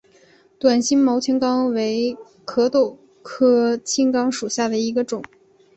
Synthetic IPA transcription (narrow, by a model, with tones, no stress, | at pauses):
t̪wa˨˩nɕi˥nmo˧˥ʊt͡ɕʰi˥nkɑ˥ŋwe˧˥ɪ | kʰɤ˧˥t̪o˥˩ʊ | kʰɤ˥t͡ɕʰi˥ŋkɑ˥ŋʂu˨˩ɕja˥˩d̪ə˩i˧˥ɡə˧ʈ͡ʂʊ˨˩˦ŋ